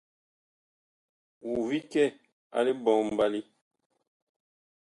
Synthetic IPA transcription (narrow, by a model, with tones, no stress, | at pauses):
wu˨vi˦kɛ˦˨ | a̰˨le˦bɔ˨m̩˨ba˦li˦